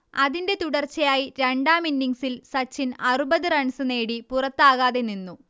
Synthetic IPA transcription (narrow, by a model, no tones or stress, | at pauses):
ɐðinde̞t̪uɽɐrt͡ɕːɐjaːjiɾe̞ɳɖaːminːiŋsilsɐt͡ɕːinɐrubɐðɨrɐɳsɨne̞ːɽipurɐt̪ːaːɣaːðeninːu